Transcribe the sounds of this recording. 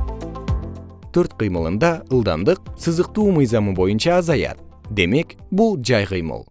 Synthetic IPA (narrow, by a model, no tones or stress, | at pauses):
t̪ʰøɾt̪qɨjmɯlˠɯnd̪ɑəlˠd̪ɑ̰nd̪ɯq̚sɯzɯq̚t̪uːmɯjzɑmɯbo̞junt͡ʃɑːzɑjɑ̰t̪̚ | d̪e̞me̞k | bulˠd͡ʒɑjqɨjmɯ̰lˠ